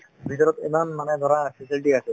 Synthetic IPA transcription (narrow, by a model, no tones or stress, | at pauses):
bʱitɔɹɔt̪ɛ̰manmanɛd̪ɔɹapʰesilʈiasɛ